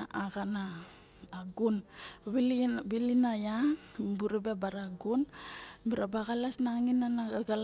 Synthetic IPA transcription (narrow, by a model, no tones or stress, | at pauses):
aɡanaː | ɡunβibilinajabuɾebebaɾaɡunmiɾabaɡalasnaŋinanaɡal